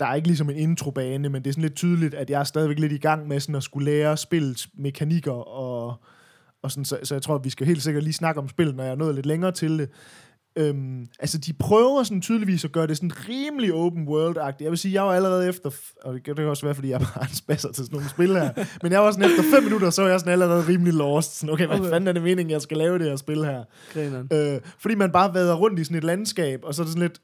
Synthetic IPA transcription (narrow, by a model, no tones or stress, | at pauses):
d̥ɑ̈æɐe̝ɡ̥əlis̬ɒ̽me̝ne̝nt͡sʰʁo̝b̥ɛːnəmend̥e̝æsɔn̩le̝d̥̚t͡sʰyːð̞ˠəlid̥æd̥jɑ̈æɐsd̥ɛðˠiʋeɡ̥le̝d̥iɡ̥ɑ̈ŋ̰mesɔ̽nɒsɡ̥uleːɐsb̥e̝l̰ð̩ˠsmekʰæniɡ̥ɐɒ̽ | ɒ̽sɔ̽nsɒ̽sɒjɑ̈t͡sʰʁo̝ɐ̰ʋisɡ̥æɦe̝̰ːld̥se̝ɡ̥ɐd̥liːsnɑ̈ɡ̥əɒ̽msb̥e̝l̰ð̩nɒ̽jɑ̈hɑnɔ̽ːð̩ˠle̝d̥leŋɐːt͡sʰe̝ld̥e̝ | ømʔælsəd̥ipʰʁœːʊɐsɔ̽nt͡sʰyːð̞ˠliʋḭːsɒ̽ɡ̥ɶɐɾ̥e̝sɔnʁiːmliɔʊb̥n̩wɜːɐld̥ɑ̈ɡ̥̚d̥ijɑ̈ɪʋe̝siːjɑ̈ɪʋɑ̈æləʁɛːð̞̩ˠefd̥ɐ | ɒd̥eɡ̥d̥ekʰæɒ̽sʋæːɐfdḭːjɑb̥ɑænsb̥æsɐt͡sʰe̝sno̝ːn̩sb̥e̝lhæɐɐ̰menjɑ̈ɪʋɑ̈sɔ̽nefd̥ɐfemːinudɐsɒ̽ʋɑjɑ̈ɪsɔ̽n̩æləʁɛːð̞̩ˠʁiːmlilɒːsd̥sɔn̩oʊkʰeɪʋæfænæɐɾeme̝ːne̝ŋjɑ̈ɪsɡ̥ælɛːʊd̥ehæɐsb̥e̝lhæɐ̰̥ | øfd̥ḭːmænb̥ɑ̈ːʋɛːð̞ˠɐʁɔ̽n̰d̥isɔ̽ne̝d̥lænsɡ̥ɛ̰ːb̥ɒ̽sɒ̽ædɾesɔn̩le̝d̥